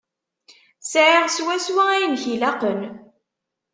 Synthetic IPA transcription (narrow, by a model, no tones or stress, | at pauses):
sʕiʁswæswææjnçilaqən